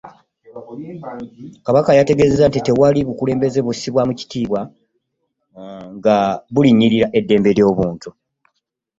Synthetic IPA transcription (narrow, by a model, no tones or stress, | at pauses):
kaβakajate̞ɡe̞ze̞zantite̞waliβukule̞ːmbe̞ze̞βusiβwamuci̥tiːβwa | ŋɡaβuliɲːiɾiɾaʔe̞dːe̞ːmbe̞ljo̞ːβuːntu